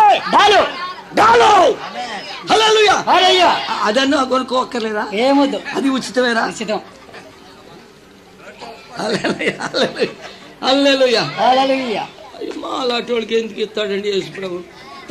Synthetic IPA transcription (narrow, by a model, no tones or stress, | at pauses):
ɖaːlu | ɖaːloj | hɐleːluːjaːɦɐlujaɐd̪ɐnːakonɐkɔɔkːɐɾleːd̪aːeːmud̪ːuɐd̪iut͡ʃːi̥t̪ɐʋeːɾaːt͡ʃit̪ɐm | hɐlelujaɐleluja | hɐleːlujaɦalelujaɐjɐmaːlaːʈoːlukend̪ukist̪ːaːɽɐɳɖieːsupɽɐʋu